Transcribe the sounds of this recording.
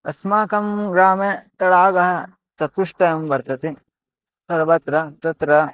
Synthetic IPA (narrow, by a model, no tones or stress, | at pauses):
ɐ̰smaːkɐmɡɾaːmet̪ɐɽaːɡɐɦɐ̆ | t̪ɐt̪uʂʈɐjɐmbɐɾt̪ɐt̪i | sɐɾʋɐt̪ɾɐt̪ɐt̪ɾɐ